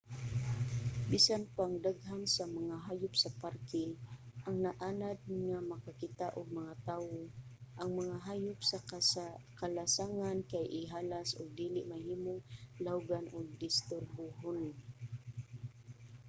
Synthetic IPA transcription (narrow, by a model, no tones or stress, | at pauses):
bisanpaŋd̪aɡɦamsamaŋaɦaːjʊpsaparkɛʔaŋnaʔaːnad̪̚ŋamakakɪt̪aʔʊɡ̚maŋat̪aːwoʔaŋmaŋaɦajʊpsa | kalasaŋankajʔɪɦaːlasʊɡ̚d̪iːlɪʔmahiːmʊŋlawɡanʔʊɡ̚d̪ɪst̪ʊɾbʊɦon